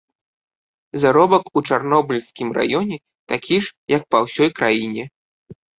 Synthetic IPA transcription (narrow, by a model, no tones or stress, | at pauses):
zaɾɔbɐkut͡ʂarnɔbɨlʲskʲimrʔa̰jɔnʲɛ | t̪akʲʰiʂjɐk̚pawsʲɔjkɾajinʲɛ